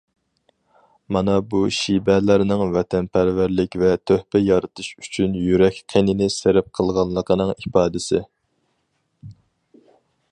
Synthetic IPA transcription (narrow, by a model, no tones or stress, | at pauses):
mɑnɑbuʃibɛlæɾnɪŋvɛt̪ʰɛnpʰæɾvæɾlɪkʲvɛt̪ʰøhpɛjɑɾɨt̪ʰɨʃy̥t͡ʃʰynjyɾɛkʲqʰenɪnɪseɾɪp̚qʰəlˠʁɑnlˠəqʰənɨŋipɑːd̪ɪsɪ